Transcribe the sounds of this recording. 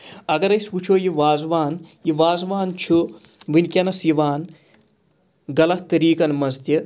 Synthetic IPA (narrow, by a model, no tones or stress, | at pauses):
ɐɡɐɾɐjsput͡ʃʰojiʋaːzʋaːnjiʋaːzʋaːnt͡ʃʰuʋinkʲɐnɐsiʋaːn | ɡɐlɐht̪ɐɾiːkɐnmɐzt̪jɐ